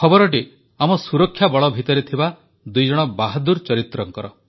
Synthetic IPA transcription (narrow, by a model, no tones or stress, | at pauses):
kʰɔbɔɾɔʈ̬i | amɔsuɾɔkʰːjabɔɭɔbʱit̪ɔɾet̪ʰiba | d̪ujd͡ʒɔɽ̃ɔbaɦad̪uɾt͡ʃɔɾit̪ɾɔŋkɔɾɔ